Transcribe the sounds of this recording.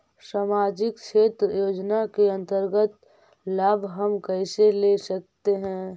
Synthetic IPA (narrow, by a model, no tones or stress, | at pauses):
saːmaːd͡ʒɪkt͡ʃʰeːt̪ɾəjoːd͡ʒnakeə̃nt̪əɾɡət̪ | laːbʱɦəmkɛɪselesək̚t̪eɦɛ̃ː